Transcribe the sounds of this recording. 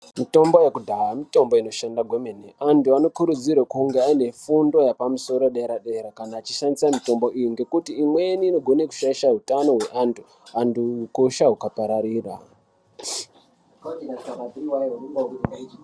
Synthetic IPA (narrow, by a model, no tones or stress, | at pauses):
mito̞mbo̞jekudʱaɦamito̞mbo̞ino̞ʃandaɡʱwemeneantuano̞kuɾud͡zirwakuŋɡe̞aine̞fundo̞japamuso̞ɾoɗeeɾaɗeːɾakanaːt͡ʃiʃandisamito̞mbo̞ʔijiŋɡe̞kutiːmwe̞niːno̞ɡʱo̞neku̥ʃaiʃaɦutano̞ɦwe̞ʔantʰu̥ | anduukoʃaɦukapaɾaɾiːra̰